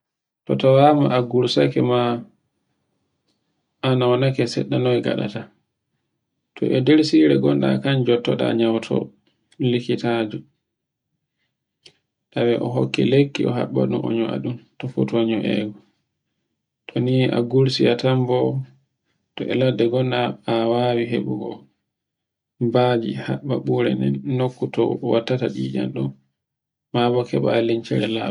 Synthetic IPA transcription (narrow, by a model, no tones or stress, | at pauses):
tɔtawamaaɡuɾsakɛma | anawanakɛsɛ̰ɗːanɔjɡa̰ɗa̰ta | tʰɔ̰ʔɛdeɾsiɾɛɡɔnɗa̰kand͡ʒɔtːɔɗa̰ɲawtʰɔ̰ | likitaːd͡ʒu | tawɛʔɔɦo̰kːɛ̰lekːiɔɦa̰ɓːa̰ɗunʔɔɲɔa̰ɗumtɔfutɔɲɔʔɛ̰ɡɔ | tʰɔniʔaɡuɾsiatambɔ | tɔʔɛladːɛɡɔnːaːwawiɦeɓuɡɔ | baːd͡ʒihaɓːaɓuɾɛnɛnːokːutɔ̰watːataɗiːd͡ʒanɗɔ | mabɔkɛɓaːliɲt͡ʃɛɾɛla